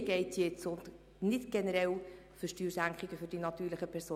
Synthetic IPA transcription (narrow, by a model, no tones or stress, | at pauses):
ɡ̥ɛɪtjet͡sʊnd | nɪtɡ̥ɛnəɾɛl | fɵʃtyːɾsæŋkχiɡ̥əfʏɾd̥inɑt̪yːɾləχəpʰɛɾsoː